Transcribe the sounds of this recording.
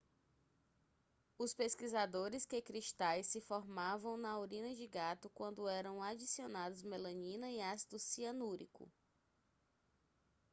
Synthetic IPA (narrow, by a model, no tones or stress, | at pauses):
ʊspeskizad̪oɾɪskekɾiʃt̪ajsːɪfɔɾmavɐ̃w̃nɐwɾĩnɐd͡ʒɪɡat̪ʊkwɐ̃nd̪ʊɛɾɐ̃w̃ad͡ʒisionad̪ʊzmelɐ̃ɲĩnɐiasid̪ʊsiɐnuɾḭkʊ̰